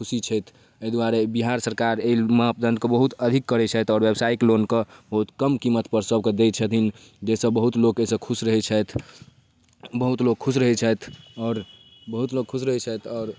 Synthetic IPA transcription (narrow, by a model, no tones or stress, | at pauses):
kʰusit͡ʃʰɛjt̪ʰ | əd̪waɾebiɦaɾsəɾkaɾeiməɦəp̚d̪ənd̪kebəɦut̪əd̪ʱikːəɾɛt͡ʃʰɛt̪ɔːɾʋebsaiklonkəbəɦut̪kəmkimːət̪pəɾsəb̚ked̪et͡ʃʰət̪ʰin | d͡ʒesəbəɦut̪lokesəkʰusɾəɦɛt͡ʃʰət̪ʰ | bəɦut̪loɡ̚kʰus̬ɾəɦɛt͡ʃʰət̪ʰɔːɾ | bəɦut̪loɡ̚kʰusɾəɦɛt͡ʃʰət̪ʰɔːɾ